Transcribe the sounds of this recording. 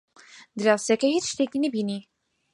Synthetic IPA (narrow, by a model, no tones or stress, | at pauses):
d̪ɨɾɑːwsɛkɛhiːɾʃt̪ekinɨbiːni